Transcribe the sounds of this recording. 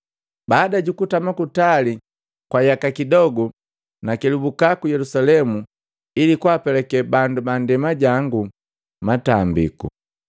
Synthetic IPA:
baːdaɟukutamakutali | kwajakakidɔɡu | nakɛlubukakujɛlusalɛmu | ilikwapɛlɛkɛbandubandɛmaɟaŋɡu | matambḭkṵ

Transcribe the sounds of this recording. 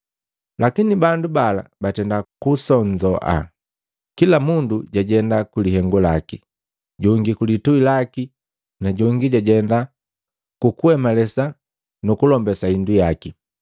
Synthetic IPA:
lakinibandubala̰batɛndakusɔɲd͡ʒɔʔa̰ | kilamunduɟaɟɛndakuliɦɛŋɡulaki | ɟɔŋɡikulituilaki | naɟɔŋɡiɟaɟɛnda | kukuhɛmalɛsa | nukulɔmbɛsaindujaki

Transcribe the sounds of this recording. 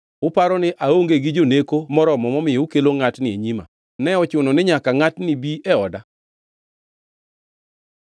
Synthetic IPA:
ʊpaɾɔnɪʔaoŋɡeɡɪd͡ʒonekomɔɾɔmɔmɔmɪjeukeloŋatnɪeɲima̰ | nɛɔt͡ʃʊnɔnɪɲakaŋatnɪbiɛɔda

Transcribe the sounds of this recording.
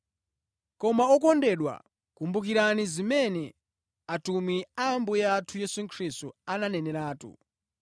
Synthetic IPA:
kɔmaɔkɔndɛɗwa̰ | kumbukiɾanizimɛnɛ | atumwiambujatʰujɛsuŋkʰɾistuananɛnɛɾaːtṵ

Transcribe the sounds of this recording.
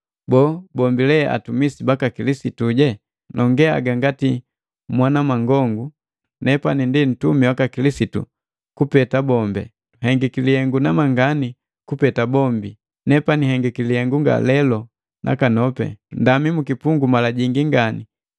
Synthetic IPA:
bɔːbɔmbilɛʔa̰tumisibakakilisituɟɛ | nɔŋɡɛa̰ɡaŋɡati | mwanamaŋɡɔŋɡu | nɛpanindin̩tumiwakakilisitṵ | kupɛtabɔmbɛ̰ | hɛŋɡɛkiliɛŋɡunamaŋɡani | kupɛtabɔmbi | nɛpaniɦɛŋɡɛkilihɛŋɡuŋɡa̰lɛlɔ | nʔa̰kanɔpɛ̰ndamimukipuŋɡumalaɟiŋɡiŋɡani

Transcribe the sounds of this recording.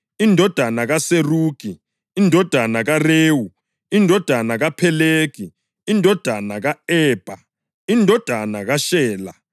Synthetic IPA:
indʱɔd̥ʱanaɣaseruːɡ̥ʱi | indʱɔd̥ʱanaɣareːwu | indʱɔd̥ʱanaɣapʰɛleːki | indʱɔd̥ʱanaɣaɛːb̥ʱa | indʱɔd̥ʱanaɣaʃɛːla

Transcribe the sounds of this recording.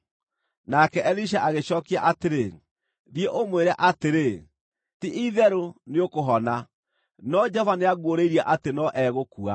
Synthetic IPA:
nakɛʔɛliʃ̬aʔaɣeɕɔːkiaʔateɾe | ɾieʔomweɾaʔateɾe | tiʔiðɛɾoneokoɦɔna | nɔd͡ʒɔvaneaɣoɾeiɾiaʔatenɔʔɛɣokua

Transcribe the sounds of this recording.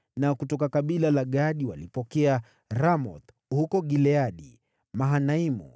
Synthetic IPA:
nakutɔkakaɓilalaɠaɗiwalipɔkɛa | ɾamɔt̪ | hukɔɠilɛaɗi | maɦanaimṵ

